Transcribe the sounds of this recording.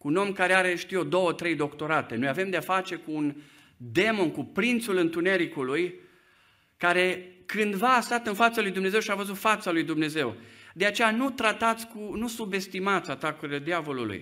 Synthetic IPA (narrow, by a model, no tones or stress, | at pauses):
kuːno̞mkaɾeaɾe̞ʃt̪iod̪o̞wət̪ɾe̞jd̪o̞kt̪o̞ɾat̪e̞nojave̞md̪eafat͡ʃe̞kuːn | d̪e̞mo̞nkupɾint̪sulɨnt̪une̞ɾikuluj | kaɾe̞kɨnd̪vaːst̪at̪ɨnfat̪səlujd̪umne̞zewʃiavəzut̪fat̪səlujd̪umne̞ze̞wd̪e̞at͡ʃe̞janut̪ɾat̪at̪sʲkunusube̞st̪imat̪sʲat̪akuɾile̞d̪iavo̞lṵlṵj